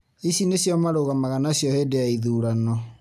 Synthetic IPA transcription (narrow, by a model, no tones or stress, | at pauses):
isinesjɔmaɾoɣamaɣanasjɔhedeaiðuːɾanɔ